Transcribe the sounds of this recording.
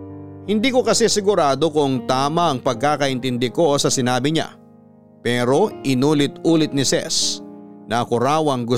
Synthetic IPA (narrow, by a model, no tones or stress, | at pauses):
hɪnd̪iːko̞kɐsɛsɪɡʊɾaːd̪o̞kʊŋt̪aːmɐʔɐŋpɐɡ̚kaːkɐʔɪnt̪ɪnd̪ɪko̞sɐsɪnaːbɪɲa̰ | pɛːɾo̞ʔɪnuːlɪt̪uːlɪt̪̚nɪsɛ̰snɐɐkʊɾaːwɐŋɡʊ